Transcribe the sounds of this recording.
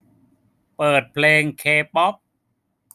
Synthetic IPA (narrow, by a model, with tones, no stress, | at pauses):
pɤː˨˩t̪̚pʰleː˧ŋkʰeː˧pɔ˦˥p̚